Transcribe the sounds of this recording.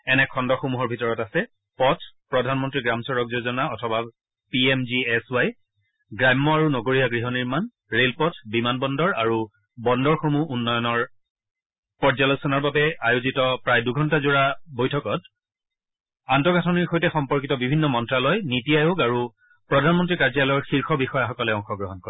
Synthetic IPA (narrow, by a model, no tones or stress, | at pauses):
ɛnɛkʰɔndɔxomuɦɔɹbʱitɔɹɔtasɛ | pɔtʰpɹɔdʱanmɔntɹiɡɹamsɔɹɔkzozɔnaɔtʰɔba | piɛmziɛsaj | ɡɹamːɔaɹunɔɡoɹijaɡɹiɦɔniɹman | ɹelpɔtʰbimanbɔndɔɹaɹu | bɔndɔɹxomuʔunːɔjɔnɔɹ | pɔɹzalosɔnɔɹbabɛajuzitɔpɹajduɡʱɔntazuɹabojtʰɔkɔt̚ | antɔɡʱatʰɔniɹxojtɛxɔmpɔɹkitɔbibʱinːɔmɔntɹalɔjnitijajoɡaɹu | pɹɔdʱanmɔntɹikaɹzalɔɔɹxiɹxɔbixɔjaxɔkɔlɛɔŋxɔɡɹɔɦɔnkɔ